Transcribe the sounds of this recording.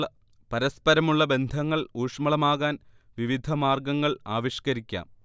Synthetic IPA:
ɐ | pɐɾɐspɐɾɐmuɭːɐbe̞nd̪ʱɐŋːɐɭuːʂmɐɭɐmaːɣaːn | ʋiʋid̪ʱɐmaːrɡɐŋːɐɭaːʋiɕkɐɾikʲːa̰ːm

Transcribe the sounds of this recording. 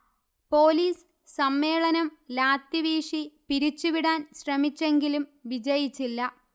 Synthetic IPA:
po̞ːliːs | sɐmːe̞ːɭɐnɐmlaːt̪jiʋiːʂipiɾit͡ɕːuʋiɽaːnɕrɐmit͡ɕːe̞ŋɡilumʋid͡ʑɐjit͡ɕːilːɐ

